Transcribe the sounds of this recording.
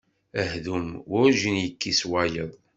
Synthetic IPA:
əhðumʊʒinjəkːiswajəðˤ

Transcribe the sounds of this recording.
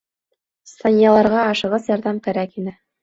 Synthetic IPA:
st̪ɑnʲjɑlˠɑɾʁɑɑʃɤ̆ʁɤsjɑɾðɑmkæɾækinɘ

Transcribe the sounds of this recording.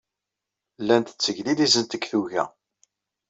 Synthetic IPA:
lːænt̪ə̥t͡sːəʝlilizənt̪əkθuʝæ̰

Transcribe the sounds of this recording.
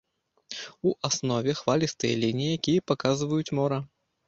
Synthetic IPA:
uʔasnɔvʲɛxvalʲist̪ɨjɐ̰lʲinʲijijakʲijɐpakazvɐjut͡sʲmɔɾɐ

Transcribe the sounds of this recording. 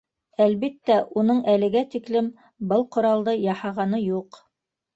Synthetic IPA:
ælβit̪ːæʔunɤɴʔælɘ̆ɡæt̪iklɘm | bɤlˠqŏɾɑlˠd̪ɤjɑhɑʁɑnɤjuq

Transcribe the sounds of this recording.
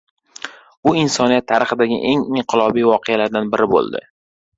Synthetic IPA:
ʊɪnsɒnijat̪ʰːaɾɪχɨd̪aɡʲɪ̰ʔe̞ŋɪɴqʰɨlˠɒbijvɒqʰealaɾd̪anbɪɾɪbo̰lˠd̪ɪ̰

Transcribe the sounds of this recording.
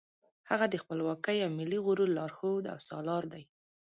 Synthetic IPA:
haɣad̪əxpəlwɑkəjawmɪlːiɣʊɾulɑɾxod̪a̰wsɑ̰lɑɾd̪aj

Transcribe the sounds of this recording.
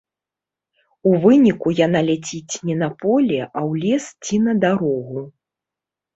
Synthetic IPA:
uvɨnʲikujanalʲat͡sʲit͡sʲnʲɛnɐpɔlʲɛʔawlʲɛst͡sʲinɐd̪aɾɔɣu

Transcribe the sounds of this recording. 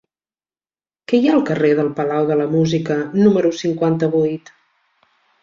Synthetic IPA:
kɛjaəlˠkəreðəlˠpəlawðələmuzikənuməɾusiŋkwant̪əβujt̪

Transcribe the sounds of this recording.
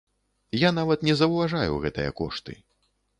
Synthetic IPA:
jan̪avɐt̪nʲɛzɐwvaʐajṵɣɛt̪ɨjɐ̰kɔ̰ʂt̪ɨ̰

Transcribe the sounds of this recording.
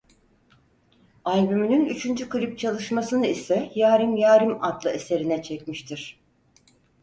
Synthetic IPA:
alʲbymynynyt͡ʃʰynd͡ʒykɯɾip̚t͡ʃʰalˠɯʃmasɯnɯisɛjaːɾimjaːɾimad̪lˠɯe̞se̞ɾinɛt͡ʃʰɛcmiʃt̪ʰiɾ̥

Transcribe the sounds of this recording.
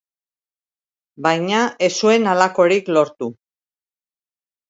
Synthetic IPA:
bajɲae̞sue̞nalako̞ɾiklo̞ɾt̪u

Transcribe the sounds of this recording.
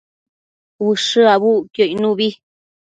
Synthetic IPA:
βɨʂɨaβukjoinũβi

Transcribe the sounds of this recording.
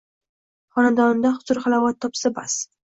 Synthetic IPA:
χɒnad̪ɒnɪd̪aχʊ̥zʊɾχalavat̪ʰːɒpsaba̰s

